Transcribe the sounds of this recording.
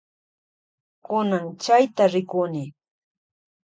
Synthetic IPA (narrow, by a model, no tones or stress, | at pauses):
kʊnaŋt͡ʃajt̪aɾɪkʊnɪ